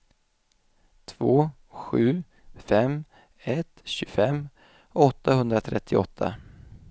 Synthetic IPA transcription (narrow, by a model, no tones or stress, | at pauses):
t̪ʰvoː | ɧʉ̟ː | fɛm | ɛt̪ɕɵfɛmː | ɔt̪ːahɵnd̪ɾat̪ʰɾɛt̪ʰːɪɔt̪ʰːa̰